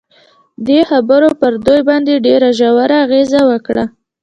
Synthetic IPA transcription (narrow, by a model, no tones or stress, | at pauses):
d̪exabəɾopəɾd̪ojbɑnd̪eɖeɾaʒawaɾaːɣezawəkɽa